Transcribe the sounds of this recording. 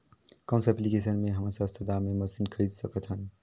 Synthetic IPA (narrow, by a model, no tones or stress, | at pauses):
kə̃ʊ̃nsɛplikes̬ənmeɦəməɾsəst̪ʰəd̪ameməsinkʰəɾid̪səkət̪ɦən